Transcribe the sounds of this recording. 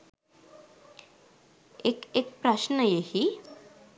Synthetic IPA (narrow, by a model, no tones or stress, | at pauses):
ekek̚pɾaʃnəjehi